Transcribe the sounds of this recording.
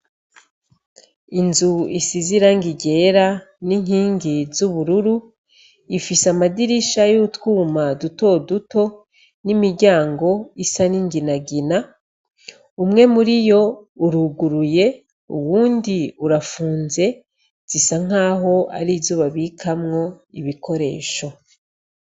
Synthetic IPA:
inzuisiziɾaŋɡiɟe̞ɾa | niŋ̥hiːŋɡizuβuɾuɾu | ifisamadiɾiʃajoutwuːmaduto̞duto̞ | nimiɾɟaːŋɡo̞isaniŋɡinaɡina | umŋe̞muɾijo̞uɾuɡuɾuje̞ | ṵwuːndiuɾafuːnze̞ | z̥isaŋ̥aːɦo̞a̰ɾizuːβaβikʰamŋo̞iβikʰo̞ɾe̞̰ːʃo̞

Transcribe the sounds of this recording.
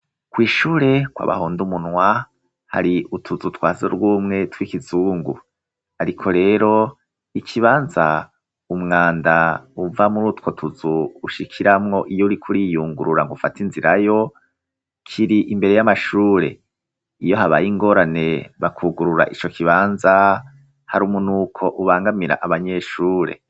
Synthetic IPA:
kwiːʃuːɾe̞kwa̰βa̰huːndumunwa | ha̰ɾiʔutʰuzutwaːzḛɾwuːmŋe̞twikizuːŋɡu | aɾikʰo̞ɾe̞ːɾo̞ | ikʰiβaːnza | umŋaːndauvamuɾutwo̞tʰuzuːʃikʰiɾamŋo̞ʔijouɾikʰuɾijuːŋɡuɾuɾaŋɡufatinziɾajo̞ | kʰiɾiʔimbe̞ɾe̞jamaʃuːɾe̞̰ | ijo̞ɦaβa̰jiŋɡo̞ːɾane̞βakʰuɡuɾuɾa̰ʔit͡ʃo̞kiβaːnza | haɾumunukʰo̞ʔuβaːŋɡamiɾa̰ʔaβaɲe̞ʃuːɾe̞̰

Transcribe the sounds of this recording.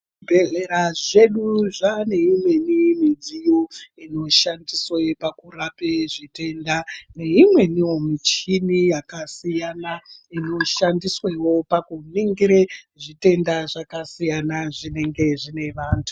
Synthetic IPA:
bʱe̞ɮeɾaʐe̞ɗuʐane̞imwe̞nimid͡zijoino̞ʃandiswepakurapeʐite̞ndane̞imwe̞niwo̞mit͡ʃinijakasijanaino̞ʃandiswewo̞pakuniŋɡiɾeʐite̞ndaʐakasijanaʐine̞ŋɡe̞ʐine̞ʋaːntʰu̥

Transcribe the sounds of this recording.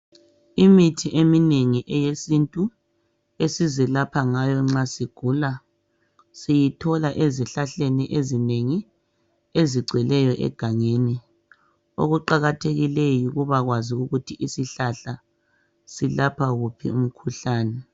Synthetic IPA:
imitʰiʔemineŋiʔɛjesintʼu | esizɛlapʰaŋajɔŋ͡ǁasiɡ̥ʱuːla | sijitʰɔlaʔeziɬaɬeniʔezineŋi | eziɡ͡ǀʱwɛlɛjɔʔɛ̰ɡ̥ʱaŋeni | o̰ɣuǃaɣatʰeɣilejiɣuβaɣwaziuɣutʰiʔisiɬaɬa | silapʰaɣupʰḭum̩kʰuɬaːnɛ

